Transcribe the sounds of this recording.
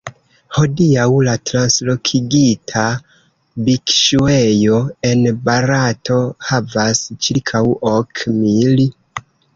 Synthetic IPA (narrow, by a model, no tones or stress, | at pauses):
ho̞diawlatɾanslo̞kʰiɡitʰa | bikʃuejo̞e̞nbaɾatʰo̞havast͡ʃiɾkʰawokʰmili